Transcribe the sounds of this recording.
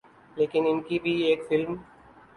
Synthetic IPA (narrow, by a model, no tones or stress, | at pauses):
leːkɪnɪnkibʱieːkfɪlm